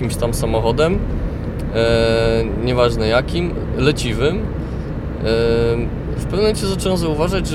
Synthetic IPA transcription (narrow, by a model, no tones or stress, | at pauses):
imɕt̪amsamɔxɔd̪ɛm | ɲɛvaʐnɛjakʲim | lɛt͡ɕivɘm | fpɛvnɛmt͡ɕɛzat͡ʂɛwɛ̃zauvaʐad͡ʑʐ